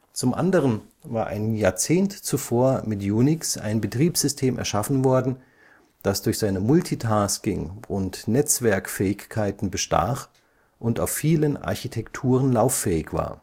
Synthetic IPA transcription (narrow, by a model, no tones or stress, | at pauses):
t͡sʊmʔa̰ndəʁənvaːɐʔa̰ɪnjaːɐt͡seːntt͡sufoːɐmɪtjuːnɪksa̰ɪnbətʁ̥iːpz̥ʏstʰeːmʔɛ̰ɐʃafn̩vɔɐdn̩ | d̥asd̥ʊɐçz̥aɪnəmʊltʰitʰaːskɪŋʔʊntnɛt͡sv̥ɛɐkfɛːɪçkʰaɪtn̩bəʃta̰ːχ | ʔʊntaʊfiːlənʔa̰ɐçitʰɛktʰuːʁ̞ənlaʊfːɛːɪçv̥a̰ːɐ